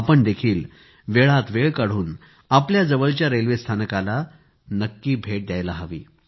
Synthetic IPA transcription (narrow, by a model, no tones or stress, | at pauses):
apəɳd̪ekʰiːl | ʋeɭat̪ʋeɭkəɽ̤uːn | apljad͡zəʋəɭt͡ɕjaɾelʋest̪ʰanəkala | nəkːiːbʱeʈ̚d̪jajlaɦaʋḭː